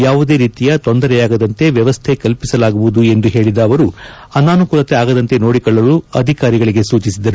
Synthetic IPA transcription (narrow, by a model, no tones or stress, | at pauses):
jaːʋud̪e̞ːɾiːt̪ijɐt̪o̞nd̪ɐɾɛjaːɡɐd̪ɐnt̪e̞ʋjɐʋɐst̪ʰe̞kɐlpisɐlaːɡuʋud̪ue̞nd̪uɦe̞ːɭid̪ɐːʋɐɾu | ɐnaːnukuɾɐt̪eaːɡɐd̪ɐnt̪e̞no̞ːɽikɔɭːɐluɐ̰d̪ʱikaːɾiɡɐɭiɡe̞suːt͡ʃisid̪ɐɾu